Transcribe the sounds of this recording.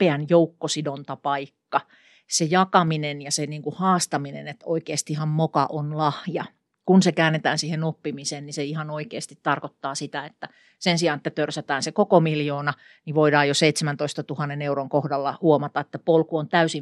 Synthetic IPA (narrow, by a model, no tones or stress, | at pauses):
peænjoukːosidont̪ɑpɑikːɑ | sejɑkɑminenjɑseniːŋkuhɑːst̪ɑminḛnet̪o̰ikeːst̪ihɑmmokɑʔonlɑhjɑ | kunsekæːnːet̪æːnsiːhenopːimiseːnniseihɑnoikeːst̪it̪t̪ɑrkot̪ːɑːsit̪æet̪ːæ | sensiɑːnet̪ːæt̪ørsæt̪æːnsekokomiljoːnɑ | niʋoidɑːjoseit̪semænt̪oist̪ɑt̪uhɑnːeneuroŋkohdɑlːɑhuomɑt̪ɑet̪ːæpolkuont̪æysi